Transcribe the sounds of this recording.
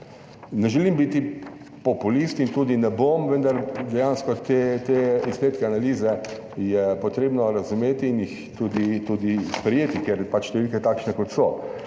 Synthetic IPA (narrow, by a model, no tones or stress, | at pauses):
nɛʒɛlimbiːt̪i | pɔpulist̪int̪uːd̪inɛbomʋənd̪aɾd̪ɛjaːnskɔt̪et̪eispeːt̪kɛanaliːzɛ | jɛpɔt̪ɾeːbnɔɾazumeːt̪iːnjix | t̪uːd̪it̪uːd̪ispɾɛjeːt̪ikjeɾpat͡ʃʃt̪ɛʋilkɛt̪aːkʃnɛkɔt̪sɔ